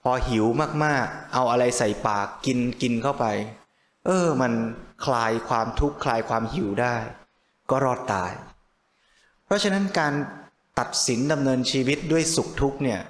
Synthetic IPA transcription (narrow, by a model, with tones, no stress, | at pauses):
pʰɔː˧hi˩˦wmaː˥˩k̚maː˥˩k̚ʔa˧wʔa˧ɾa˧jsa˨˩jpaː˨˩kːi˧nki˧nkʰa˥˩wpa˧j | ʔɤː˧˩ma˧nkʰlaː˧jkʰwaː˧mt̪ʰu˦˥kʰːlaː˧jkʰwaː˧mhi˩˦wdaː˥˩j | kɔː˥˩ɾɔː˥˩t̪ːa̰ː˧j | pʰɾɔ˦˥t͡ɕʰa˧na˦˥nkaː˧n | t̪a˨˩t̪̚si˩˦nda˧mnɤː˧nt͡ɕʰiː˧wi˦˥t̪̚du˥˩əjsu˨˩k̚t̪ʰu˦˥k̚ni˥˩ɐ